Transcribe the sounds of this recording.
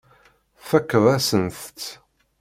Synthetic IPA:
fækːəðˤæsənθ

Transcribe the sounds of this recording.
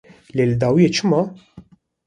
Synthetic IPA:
lɪld̪ɐwjɪt͡ʃmɐ

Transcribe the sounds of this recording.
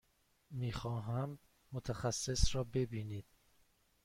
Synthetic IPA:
miːxɒːɦæmː | ot̪ʰæxæsːesɾɒːbe̞biːniːd̪̥̚

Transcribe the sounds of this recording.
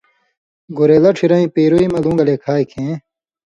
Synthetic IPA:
ɡoɾeːlɐʈ͡ʂʰiɾɐĩpeːɾoimɐlũːŋɡɐleːkʰaːikʰẽː

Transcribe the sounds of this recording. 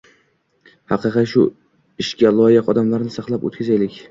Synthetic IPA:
hɑqɨqɨt̪ʃʊ | ɪʃkʲalˠɒjɪqɒd̪amlaɾnɪsɑqlˠapo̰t̪kʰʲazajlɪkʲ

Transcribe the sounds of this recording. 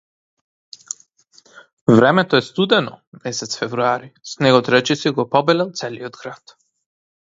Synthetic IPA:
vɾɛmɛt̪ɔɛst̪ud̪ɛnɔmɛsɛt̪sfɛvɾuaɾisnɛɡɔt̪ɾɛt͡ʃɛsiɡɔpɔbɛlɛlˠt̪sɛliod̪ɡɾat̪

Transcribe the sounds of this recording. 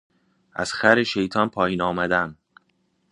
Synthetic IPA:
ʔæ̰z̥xæɾeʃe̞jt̪ʰɒːnpʰɒːjiːnɒːmæd̪æm

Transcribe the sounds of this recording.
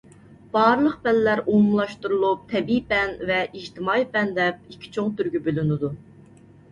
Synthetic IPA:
b̥ɑːɾlˠəq̚pɛllːæɾʔomlˠɑʃt̪uɾulˠup̚t̪ʰɛbipɛnvɛʔid͡ʒt̪ʰɪmɑipɛnd̪ɛp̚ikʲʰːi̥t͡ʃʰoŋt̪yɾɡʲybølynɪd̪u

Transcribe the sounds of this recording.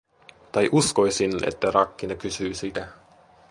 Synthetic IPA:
t̪ɑjʔusko̞jsinḛt̪ːærɑkːinɑkysyːsit̪æ

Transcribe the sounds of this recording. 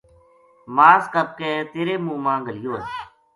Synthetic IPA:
maːskəb̚keːt̪eːɾeːmũːmãːɡəlɪjoːe

